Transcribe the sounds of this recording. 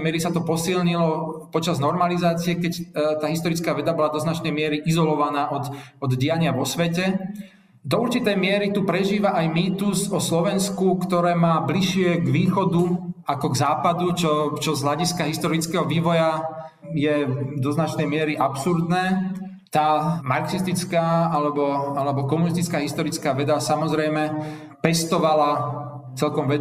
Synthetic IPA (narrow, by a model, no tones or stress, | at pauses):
mɪɛɾisat̪ɔpɔsilɲilɔpɔt͡ʃaznɔɾmalizaːt͡siɛkɛct̪aːɦis̬t̪ɔɾit͡skaːʋɛd̪abɔlad̪ɔznat͡ʃnɛjmɪɛɾiʔizɔlɔʋanaːʔɔt̪ɔd̪ɟijaɲɪaʋɔsʋɛcɛ | d̪ɔuɾt͡ʃit̪ɛjmɪɛɾit̪upɾɛʒiːʋaʔajmiːt̪usɔslɔʋɛnskukt̪ɔɾɛːmaːbliʃɪɛɡʋiːxɔd̪uakɔɡzaːpad̪ut͡ʃɔt͡ʃɔzɦlaɟiskaɦist̪ɔɾit͡skɛːɦɔʋiːʋɔja | jɛd̪ɔznat͡ʃnɛjmɪɛɾiʔapsuɾd̪nɛː | t̪aːmaɾksist̪it͡skaːalɛbɔalɛbɔkɔmunis̬t̪it͡skaːɦist̪ɔɾit͡skaːʋɛd̪asamɔzɾɛjmɛ | pɛst̪ɔʋala | t͡sɛlkɔmʋɛ